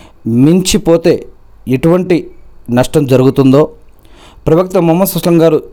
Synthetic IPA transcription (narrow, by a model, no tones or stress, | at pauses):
miɲt͡ʃipoːt̪e̞ː | eʈuʋɐɳʈinɐʂʈɐmd͡ʒɐɾuɡut̪und̪o̞ː | pɾɐʋɐk̚t̪ɐmɐmːɐsɐʂlɐŋɡaːɾu